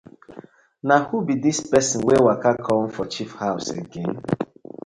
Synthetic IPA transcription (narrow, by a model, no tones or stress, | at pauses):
nahubidispɛsɔ̃nwewakakʰɔ̃n̩fɔt͡ʃifhaʊsḛɡẽn